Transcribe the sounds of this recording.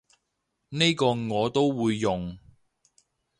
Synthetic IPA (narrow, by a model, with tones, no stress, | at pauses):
ne˥jkɔː˧ŋɔː˨˧t̪o˥wwuː˨˧jːʊ˨ŋ